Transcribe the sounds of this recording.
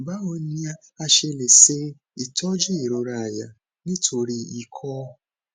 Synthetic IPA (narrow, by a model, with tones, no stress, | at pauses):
ba˦o˧ɲĩ˦a˧ | a˧ʃe˧le˨se˦n̩˦ | i˨tʰɔ˦d͡ʒi˦i˨ɾo˨ɾa˨ja̰˨ | nĩ˦tʰo˧ɾi˧i˨kʰɔː˦